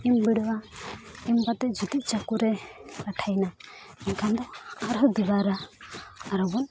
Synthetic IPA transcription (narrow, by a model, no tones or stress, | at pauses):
imbiɽwaimbat̪ɛd͡ʒut̪it͡ʃakuɾɛkaʈʰajna | ɛnkʰand̪ɔaɾɔd̪ibaɾaː | ɾɔbɔn